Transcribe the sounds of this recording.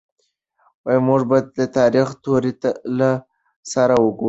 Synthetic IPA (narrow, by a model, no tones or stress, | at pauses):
wajimuʐbɑd̪̚d̪ət̪ɑɾixt̪oɾit̪ala | saɾawəɡo